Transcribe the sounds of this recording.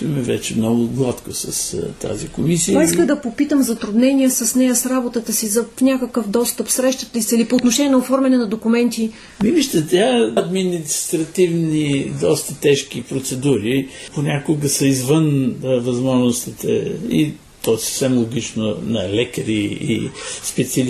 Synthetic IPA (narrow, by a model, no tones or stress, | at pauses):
ɐmɛvɛ̰t͡ʃɛmnɔɡʊɡlˠat̪kosɐst̪a̰zikomisiəiskəd̪ɐpopit̪əmzɐt̪ɾʊd̪nɛnʲiəsɐsnɛjəsɾabot̪ət̪əsizɐfnʲakəkəfd̪ɔst̪əpsɾɛʃt̪ət̪əisəilipoːt̪noʃɛnʲiɛnɐofɔɾmɛnɛnɐd̪okʊmɛnt̪i | miviʃt̪ət̪ɛɐd̪minist̪ɾɐt̪ivnid̪ɔst̪ət̪ɛʃk̟ipɾot̪sɛd̪uɾiponʲakʊɡəsəizvənvɐzmɔʒnost̪it̪ɛ̰i | t̪ɔsə̥fsɛmlˠoɡ̟ʲit͡ʃnonɐlɛkɐɾiḭspɛt̪siɐl